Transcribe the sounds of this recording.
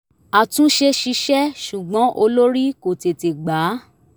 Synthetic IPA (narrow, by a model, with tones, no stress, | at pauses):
a˨tũ˦ʃe˧ʃi˧ʃɛ˦ʃu˨ɡ͡bɔ̃˨˦ʔo˧lo˦ɾi˦ko˨te˨te˨ɡ͡ba˨˦